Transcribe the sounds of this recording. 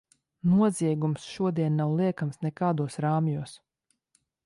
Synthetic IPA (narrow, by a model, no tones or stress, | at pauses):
nuɔziɛɡumsʃuɔd̪iɛnːawlˠiɛkamsnɛkaːd̪uɔsɾaːmjuɔs